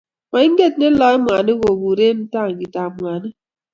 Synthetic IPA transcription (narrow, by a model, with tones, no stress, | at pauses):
ma˨i˦ŋ̩˦ɡe˦˨tne˦lɔ˨˦e˦mʷ˨a˨nɪ˦ɣo˨ɡu˨ɾe˦n̩˦ta˦˨ŋ̩˨ɡi˨ta˨mwa˨na˦